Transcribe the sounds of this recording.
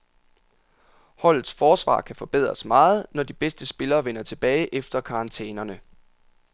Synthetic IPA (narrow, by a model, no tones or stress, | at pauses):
hɒ̽l̰ð̩ˠsfɒːsʋɑ̰̈ːkʰæfɒ̽b̥eð̞̰ˠʁɐsmɑ̈ːð̞̩ˠnɒd̥ib̥esd̥əsb̥e̝lɐːʋenɐt͡sʰe̝b̥ɛːɪʔefd̥ɐkʰɑ̈ɑ̈nt͡sʰḛːnɐnə